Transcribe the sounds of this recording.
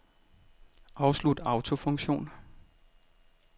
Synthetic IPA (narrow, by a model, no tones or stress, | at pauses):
ʔɑ̈ʊslud̥ɑ̈ʊt͡sʰo̝fɔ̽ŋɕo̝̰ːn